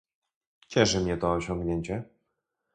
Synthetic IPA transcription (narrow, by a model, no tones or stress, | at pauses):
t͡ɕɛʂɘmɲɛt̪ɔːɕɔ̃ŋɡɲeɲt͡ɕɛ